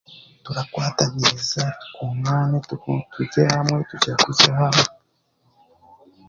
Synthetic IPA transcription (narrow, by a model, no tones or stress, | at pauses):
tuɾakwaːtaβiɾizakumaːnetuɟehamŋe̞tucakusahame